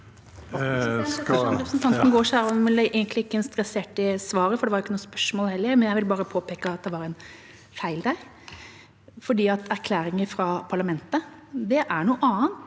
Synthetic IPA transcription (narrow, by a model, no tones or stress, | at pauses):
ɾɛpɾəsnt̪ʰɑnt̪nəɡoːʂæːɾɔʋɪlːəʔeɡənt̪lɪɪkːəɛnst̪ɾɛseːʈɪsʋɑːɾəfɔɖɛʋɑɾjɪkːənuːspœʂmɔːlhɛlːəɾmɛnjæɪʋɪlbɑːɾəpʰoːpeːkəɑt̪̚d̪ɛʋɑɾɛɪn | fæɪld̪æɪ | fɔɖiːɑt̪ʰæɾkʰlæːɾɪŋəfɾɑpʰɑɭɑmɛnt̪əd̪ɛʔæɳuːʔɑːənt̪